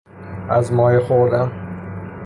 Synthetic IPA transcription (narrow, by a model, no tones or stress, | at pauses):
æzmɒːjexoɾd̪æm